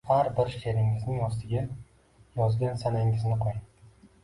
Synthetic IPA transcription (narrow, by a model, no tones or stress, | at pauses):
haɾbɪɾʃe̞ɾɪŋɪznɪŋɒs̬t̪ʰɪɡʲa | jɒzɡʲansanaŋɪznɪqʰoj